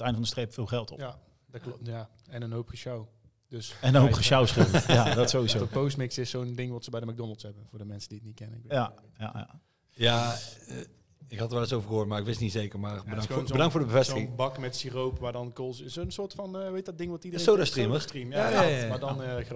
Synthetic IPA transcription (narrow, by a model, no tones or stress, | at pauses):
ətɛjndəfɑndəstrejpfɪːlˠχɛlˠtɔ̰pja | ja | ɛnənɦowpχəʃaw | d̥øsɛnənɦopχəʃawsχɪəadɔtsowizopowstmɪksɪsːowndɪŋʋɑtsəbɛjdəmɛɡ̚dɔnəlˠshɛbənvʊːɹdəmɛnsədiətnit̚kɛnəɪkja | ja̰a̰ | ja | ɪkɦɑtəɹʋɛlɪsowvəɹɣəɦoːɹtmaːɾɪkʋɪstnizejkəɹmaːrbədɑŋobədɑŋktfʊːɹdəbəvɛstɪɪŋbɑkmɛtsirowpʋaːdɑnkolˠzsonsʊːɹtfɑnʋejtɑdɪŋʋɔtidəresowdastriməstrimjajamadɑn